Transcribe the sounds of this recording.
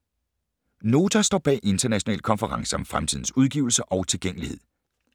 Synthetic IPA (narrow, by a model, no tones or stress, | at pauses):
no̝ːt͡sʰɐsd̥ɒ̰ːb̥ɛ̰ːʔe̝nd̥ɐnæɕo̝nɛ̰ːl̥̚kʰɒ̽nfəʁɑ̈ŋsəɒ̽mfʁamt͡sʰḭðˠn̩suð̞ˠɡ̥ḭʊl̩səʔɒ̽ʊt͡sʰe̝lɡ̥eŋ̰əlihe̝ð̞̰ˠ